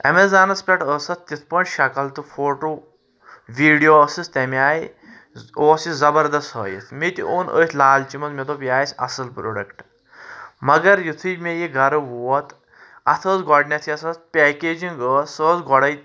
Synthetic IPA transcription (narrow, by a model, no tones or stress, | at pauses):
ɐ̰mezaːnɐspʲɐʈəːsɐt̪̚t̪it̪ʰpɐɳʃɐkɐlt̪ɨfʰoːʈoː | ʋiːɖijoːɐsist̪ɐmaːji | oːsizɐbɐɾd̪ɐst̪ɦə̰ːjḭt̪ʰmit̪ʲioːnə̰ːt̪ʰlaːlt͡ʃimɐt̪met̪opjaːjsʲɐ̰sɐlpɾoɖɐkʈ | mɐɡɐɾjit̪ʰɨjmejiɡʱɐɾɨʋuːɔt̪ʰ | ɐt̪ʰəːzɡɔɖnʲɐt̪ʰiɐsɐt̪̚pʲɛːkeːd͡ʒiŋɡəːsəːzɡɔɽɐj